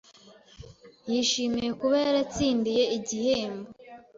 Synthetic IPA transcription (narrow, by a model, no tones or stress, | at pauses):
jiʃiːmije̞kuβe̞ːɾat͡siːndije̞iɟiheːmbo